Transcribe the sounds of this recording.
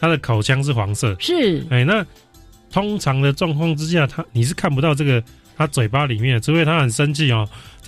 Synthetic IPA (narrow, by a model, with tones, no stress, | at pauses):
t̪ʰa˥d̪ə˨kʰa˨˩ʊt͡ɕʰjɑ˥ŋʂ̬̩˥˩xwɑ˧˥ŋsɤ˥˨ʂ̩˥˩e˥˩ɪna˥˨ | t̪ʰo˥ŋʈ͡ʂʰɑ˨˦ŋd̪ə˨ʈ͡ʂwɑ˥˧ŋkʰwɑ˥˨ŋt͡sɻ̩˦ɕ̬ja˥˨t̪ʰa˥ni˨˩ʂ̬ɻ̩˥˩kʰa˥˩npu˧t̪ɑ˥˧ʊʈ͡ʂɤ˥˩ɡə˨˩ | t̪ʰa˦˥t͡swe˨˩ɪpa˦˥li˨˩˦mjɛ˥nʈ͡ʂɻ̩˥we˥˩ɪt̪ʰa˦˥xə˨˩nʂə˦nt͡ɕʰi˥˩ɔ˨